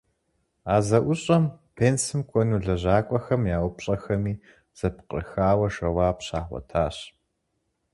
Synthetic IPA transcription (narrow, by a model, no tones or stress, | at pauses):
aːzɐʔʷʊɕʼɐmpʰeːnsɨmkʷʰʼɔnuːɮɐʑaːkʷʼɔxɐmjaːwʊpɕʼɐxɐmiː | z̥ɐpqə̰rxaːwɐʂɐwaːpɕaːχʷɔ̰tʰaːɕ